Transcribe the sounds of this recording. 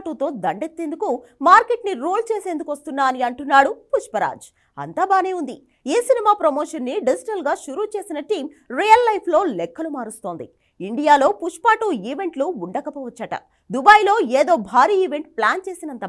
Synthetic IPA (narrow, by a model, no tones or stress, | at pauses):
ʈuːt̪o̞ːd̪ɐɳɖet̪ːend̪ukumaːɾke̞ʈniɾuːlt͡ʃe̞ːse̞ːnd̪ukuʋɐst̪unːaːniɐɳʈunːaːɽupuʂpɐɾa̰ːd͡ʒ | ɐ̰nt̪aːbaːneːund̪i | eːsinimaːpɾɐmoːʂɐnːiɖid͡ʒiʈɐlɡaːʃuɾuːt͡ʃe̞ːsinɐʈiːm | ɾijɐlːɐjpʰlo̞ːlɛkːɐlumaːɾust̪oːnd̪ḭ | iɳɖijaːlo̞ːpuʂpaːʈuːiːʋe̞ɳʈluuɳɖɐkɐpɔːʋɐt͡ʃːɐʈɐ̰ | d̪ubaːjlo̞ːeːd̪o̞ːbʱaːɾiːiʋe̞ɳʈ̚plaːnt͡ʃe̞ːsinɐnt̪ɐ